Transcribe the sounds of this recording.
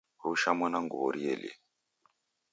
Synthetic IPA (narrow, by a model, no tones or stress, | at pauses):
ouʃamanaŋɡuβɔɾiɛlḛ